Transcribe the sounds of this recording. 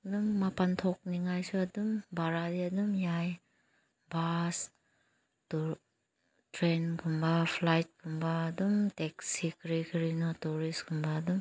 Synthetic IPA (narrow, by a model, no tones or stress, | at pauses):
dumːapantʰɔk̚niŋajsɯadumbaɾadiadumjaj | bas | tu | tɾenkʰumbapʰlajt̚kʰɯmbaːdumteksikʰɾikʰɾinɔtuɾiskʰɯmbaːdum